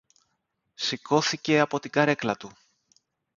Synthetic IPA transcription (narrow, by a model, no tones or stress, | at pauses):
sikʰo̞θice̞ɐpo̞t̪iɡɐɾe̞klɐt̪u